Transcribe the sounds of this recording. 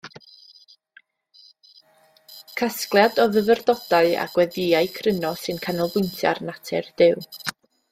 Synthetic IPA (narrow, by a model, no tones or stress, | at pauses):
kʰasklˠjadɔvəvərdɔd̥aɨa̰ɡ̥wɛðɪaɨkʰrənɔsɨnkʰanɔlˠbʊntʰja̰rnatʰɛrd̥ɪw